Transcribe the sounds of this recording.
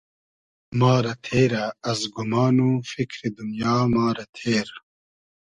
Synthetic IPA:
maːɾɐt̪ʰeːɾɐɐzɡumaːnufikɾid̪unjaːmaːɾɐt̪ʰeːɾ

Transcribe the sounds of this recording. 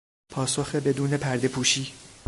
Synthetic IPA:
pʰɒːsoxebe̞d̪uːne̞pʰæɾd̪e̞pʰuːʃiː

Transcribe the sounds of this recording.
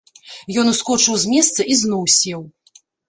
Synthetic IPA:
jɔnuskɔt͡ʂɨwzʲmʲɛst̪sɐʔiznɔwsʲɛw

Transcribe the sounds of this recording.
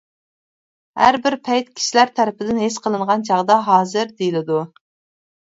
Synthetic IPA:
hæ̰ɾbɪɾpʰɛjt̪kʲʰi̥ʃilæɾt̪ʰæɾɪpɪd̪ɪnɦesqʰəlˠɨɴʁɑnt͡ʃʰɑʁd̪ɑɦɑːzɨɾd̪ejilɪd̪u

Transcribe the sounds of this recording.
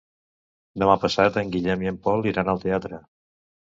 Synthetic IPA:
d̪əmapəsat̪əŋɡiʎɛmiəmpɔlˠiɾanəlˠt̪eat̪ɾə

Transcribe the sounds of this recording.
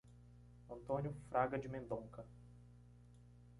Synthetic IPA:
ɐ̃nt̪õnjʊfɾaɡɐd͡ʒɪmẽnd̪õŋkɐ

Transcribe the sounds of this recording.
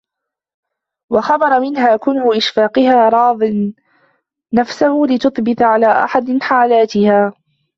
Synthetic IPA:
wɑxɑbɑɾˤɑmɪnɦaːkʊnʊʔɪʃfaːqɪhaːɾˤɑːðˤɨn | afsahʊlɪt̪ʊθˤbɪt̪ʕalaːʔa̰ħad̪ɪħaːlaːt̪ɪhaː

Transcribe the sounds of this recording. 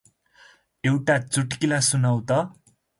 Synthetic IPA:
ewʈat͡suʈkilasunʌwt̪ʌ

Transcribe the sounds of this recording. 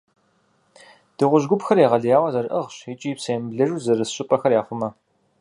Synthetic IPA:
d̥ɨʁʷʊʒɡʷʊpxɐrjeːʁɐɮjaːwɐzɐɾʔɐʁɕit͡ʃʼiːpsɐjɛmbɮɐʒuːzɐrɨsɕʼɪpʼɐxɐrjaːχʷʊmɐ

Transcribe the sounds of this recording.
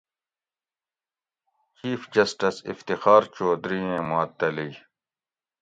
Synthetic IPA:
t͡ɕiːfd͡ʑɐsʈɐsḭft̪ixaːɾt͡ɕoːd̪ɾiẽːmat̪ːɐliː

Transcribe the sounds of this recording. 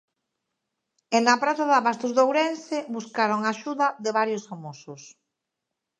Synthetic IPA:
eŋnapɾaθaðaβast̪ozðowɾensɪbuskaɾoŋaʃuðɐðɪβaɾjʊsfamosʊs

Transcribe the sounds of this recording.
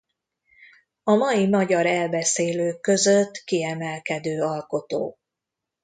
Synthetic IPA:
ɒmɒjimɒɟɒɾɛlbɛseːløːkːø̞zøt̪ːkiɛmɛlkɛd̪øːɒlko̞t̪o̰ː

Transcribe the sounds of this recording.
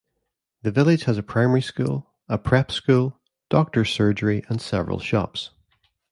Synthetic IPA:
ðəvɪlˠɪ̥ʒ̥həzəpʰɹ̥aɪ̃mɛɹiskʉ̰lˠ | əpʰɹ̥ɛpskʉlˠ | d̥ɔk̚tə˞sɜ˞d͡ʒə˞iʔə̃nsɛvəɹə̰lˠʃɔ̰ps

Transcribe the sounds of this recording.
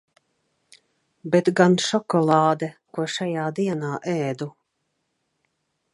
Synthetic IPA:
bɛt̪ɡanʃɔkɔlˠɑːd̪ɛkuɔʃajaːd̪iɛnaːʔɛːd̪u

